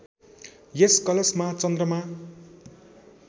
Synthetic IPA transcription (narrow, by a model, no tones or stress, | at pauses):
jeskʌlesmat͡sʌnd̪rʌma